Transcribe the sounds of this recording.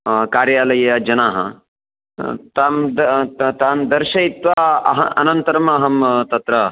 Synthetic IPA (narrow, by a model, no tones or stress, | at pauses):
kaːɾjaːlɐjɐd͡ʒɐnaːɦɐ̰ | t̪aːmd̪t̪aːmd̪ɐɾʃɐit̪ʋaːɐ̰ɦɐɐnɐnt̪ɐɾɐmɐɦɐmt̪ɐt̪ɾɐ